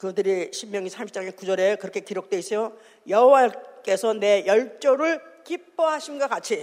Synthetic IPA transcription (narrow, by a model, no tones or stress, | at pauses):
kɯdɯɾiɕʰimmjʌŋisʰamip̚t͡ɕ͈aŋekud͡ʑʌɾe̞kɯɾʌkʰe̞kiɾok̚t͈weis͈ʌjo | jʌɦowak͈e̞sʰʌne̞jʌɭt͡ɕ͈oɾɯɭkip͈ːʌɦaɕʰinɡʌk͈at͡ɕʰi